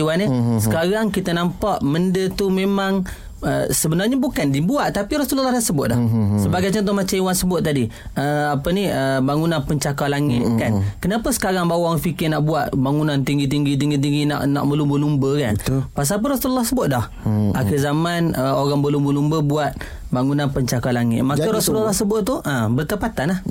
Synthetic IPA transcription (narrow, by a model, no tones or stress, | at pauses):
wanəsə̥kaɾaŋkit̪ənampaʔməndət̪umemaŋ | əsəbənarɲabukandibuaʔt̪apiɾasuləlːɑhdasəbʊt̪̚dɔhsəbaɡajt͡ʃənt̪̬ʊmat͡ʃaiwansəbʊt̪̚ːadiəapəniəbaŋunanpəɲt͡ʃakalaŋɪt̪̚kankənapəsə̥kaɾaŋbawaŋfikɪrnaʔbuaʔ̪baŋunant̪iŋɡit̪̬iŋɡit̪̬iŋɡit̪̬iŋɡina̰ʔna̰ʔməlumbəlumbəka̰npas̬ap̬əɾɔsuləlːɔhsəbʊt̪̚dɔh | axɪzamanəoɾaŋbəlumbəlumbəbuat̪̚ | baŋunanpəɲt͡ʃakalaŋɪ̰t̪̚makaɾasulalːahsəbʊt̪̚t̪uʔabərt̪əpat̪anah